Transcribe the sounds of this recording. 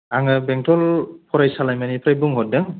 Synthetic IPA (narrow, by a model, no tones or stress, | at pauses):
aŋɯbɛŋtɔlpʰɔɾajsalajmanipʰɾajbuŋɦɔt̚dɯŋ